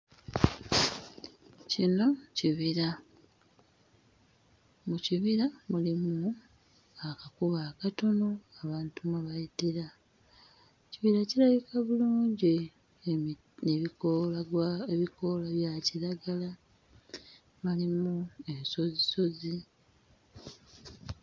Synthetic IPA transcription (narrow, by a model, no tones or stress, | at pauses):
cino̞ciβiɾa | muciβiɾamulimu | akakuβaːkato̞no̞aβaːntumuβajitiɾa | ciβiɾaciɾaβikaβuluːɲɟe | neβikoleβikolaβjaːciɾaɡala | malimuenso̞ziso̞zi